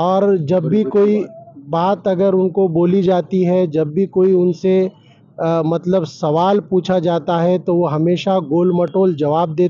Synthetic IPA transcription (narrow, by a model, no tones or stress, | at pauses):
ɔːɾd͡ʒɐbːikoːibaːt̪ɐɡəɾʊnkoboːlid͡ʒaːt̪iɦɛd͡ʒɐbːʱikoːiʊnse | mɐt̪ləbsɐʋaːlpuːt͡ʃʰad͡ʒaːt̪aɦɛt̪oʋoɦɐmeːʃaɡoːlməʈoːld͡ʒɐʋaːb̚d̪eː